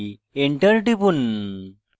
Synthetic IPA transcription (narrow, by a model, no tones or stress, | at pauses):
eɳʈəɾʈipun